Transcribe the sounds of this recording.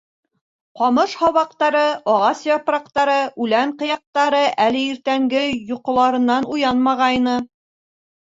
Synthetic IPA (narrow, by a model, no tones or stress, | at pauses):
qɑmɤʃhɑβɑq̚t̪ɑɾɤʔɒʁɑsjɒpɾɑqt̪ɑɾɤʔʉlæɴqɤ̆jɑq̚t̪ɑɾɤʔælɘiɾt̪æŋɡɘjŭqŏlˠɑɾɤ̆nːɑnujɑnmɑʁɑjnɤ